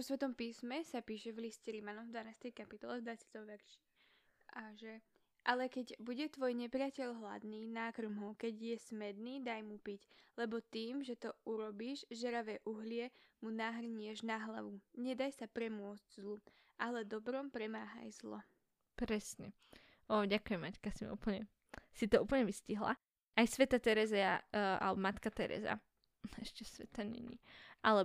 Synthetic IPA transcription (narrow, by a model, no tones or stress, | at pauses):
ɔsʋɛt̪ɔmpiːsmɛsapiːʃɛvliscɛɾimanɔmvd̪ʋanaːst̪ɛjkapit̪ɔlɛvd̪ʋat͡sɪat̪ɔmʋɛɾʃi̥ | aʒɛ | ʔalɛkɛɟbuɟɛt̪ʋɔjɲɛpɾɪacɛʎɦla̰d̪niːnakrmɦɔkɛɟjɛsmɛd̪niːd̪ajmupiclɛbɔt̪iːmʒɛt̪ɔuɾɔbiːʒʒɛɾaʋɛʔuɦlɪɛmunaːɦrɲɪɛʒnaɦla̰ʋuɲɛd̪ajsapɾɛmʊɔd͡zɟzlˠu | ʔalɛd̪ɔbɾɔmpɾɛmaːɦa̰jzlɔ̰ | pɾɛsɲɛ | ɔːɟakujɛmːackasim̰ṵːpl̩ɲɛ | sit̪ɔuːpl̩ɲɛʋisciɦla̰ | ʔajsʋɛt̪at̪ɛɾɛzɛaa̰lɛbɔmat̪kat̪ɛɾɛ̰za̰ | ɛʃcɛsʋɛt̪aɲɛ̰ɲḭʔalɛ